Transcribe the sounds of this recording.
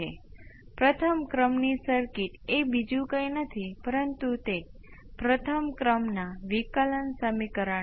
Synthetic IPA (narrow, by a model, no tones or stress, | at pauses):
epɾət̪ʰəmkɾəmnisəɾkiʈebid͡ʒũkə̃jnət̪ʰipəɾənt̪ut̪e | pɾət̪ʰəmkɾəmnaʋikələnsəmikəɾə